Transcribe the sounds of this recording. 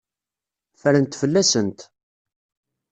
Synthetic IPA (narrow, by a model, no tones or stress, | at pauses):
fəɾənt̪fəlːæsənt̪